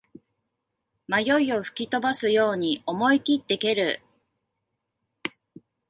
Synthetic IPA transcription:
majo̞io̞ɸɯ̟̥kʲit̪o̞basɨjo̞ːɲ̟io̞mo̞ikʲit̪ːe̞ke̞ɾɯ̟

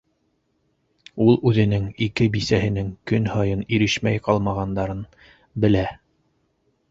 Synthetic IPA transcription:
ulˠʉðɘ̆nɘŋikɘbisæhɘ̆nɘŋkɵnhɑjɤniɾɘʃmæjqɑlˠmɑʁɑnd̪ɑɾɤn | bɘ̆læ

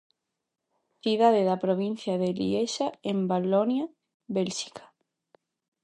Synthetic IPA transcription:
θiðaðeðapɾoβ̞in̟θjaðelḭeʃaembalonja | βelʃi̥kḁ

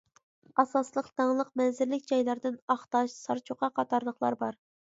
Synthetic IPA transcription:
ɑsɑslˠəqd̪ɑŋlˠəqmɛnzɪɾlɪkʲd͡ʒɑjlˠɑɾd̪ɪnɑχt̪ɑʃsɑɾt͡ʃʰoqɑqʰɑt̪ɑɾlˠəχlˠɑ̰ɾbɑɾ

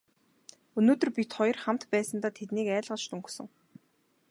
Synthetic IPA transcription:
ɵnoːt̪ɵ̆rpʲit̪χɔjɞ̆rχam̥t̪pæːsə̆nt̪aːt̪ʰet̪niːkæːɮʁə̆t͡ɕt̪ɵŋksɵ̆ŋ

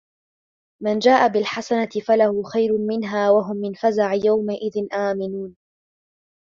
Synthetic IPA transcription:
mand͡ʒaːʔabɪlħasanat̪ɪfalahʊːxajɾʊmɪnɦaːwaɦʊmːɪnfazaʕjawmaʔɪðɪnʔaːmɪnuːn

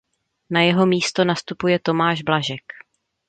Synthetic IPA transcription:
najɛɦo̞miːst̪o̞nast̪upujɛt̪o̞maːʒblaʒɛk

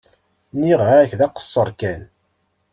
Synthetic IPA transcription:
niʁaçðæqə̥sˤːəɾˤkæn

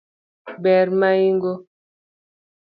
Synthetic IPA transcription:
bɛɾmaiŋɡo

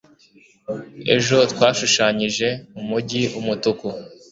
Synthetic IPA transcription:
e̞̰ʒo̞twaːʃuʃaːɲiʒe̞umuɟiumutuku

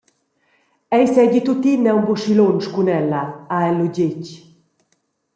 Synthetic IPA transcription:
ɛjsɛɟit̪ut̪inːɛumbuʃilonʃkunɛlaaɛlːuɟec

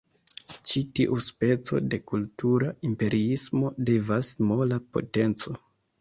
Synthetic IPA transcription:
t͡ʃitiʔuspe̞t͡so̞̰de̞kultuɾaimpe̞ɾʔiismo̞de̞vasmo̞lapo̞̰te̞nt͡so̞

